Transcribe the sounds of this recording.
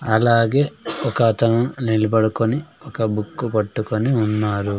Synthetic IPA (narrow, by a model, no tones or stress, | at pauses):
ɐlaːɡeːɔkɐt̪ɐnɐnilibɐɽukoni | ɔkɐbukːupɐʈːukoniunːaːɾu